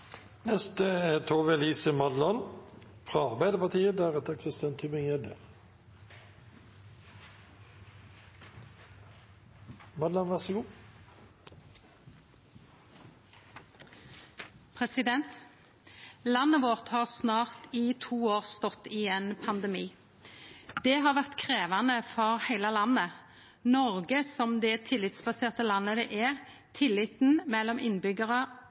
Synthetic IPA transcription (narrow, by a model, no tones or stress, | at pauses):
nɛst̪əeːt̪ʰoːʋeliːsəmɑd̪lɑnfʁɑɑʁbæɪd̪əpɑʁt̪ʰiːəd̪æʁɛt̪əkʰʁɪst̪ɑnt̪ʰybɪŋɛd̪ə | mɑd̪lɑnʋæʁsəɡuː | pʰʁɛsɪd̪ɛnt̪ | lɑnːəʋoːʁt̪hɑːʁsnɑːʁt̪iːt̪ʰuːoːʁst̪ɔt̪ːiːeːnpʰɑnd̪əmiː | d̪̥ɛːɦɑːʁʋæʁt̪kʰʁeːʋɑnəfɔʁhæɪləlɑnə | nɔʁɡəsɔmd̪ɛt̪ʰɪlːɪt̪sbɑseːʁt̪əlɑnːəd̪ɛʔɛʁ | t̪ʰɪlːɪt̪n̩mɛlːɔmɪnbʏɡəʁə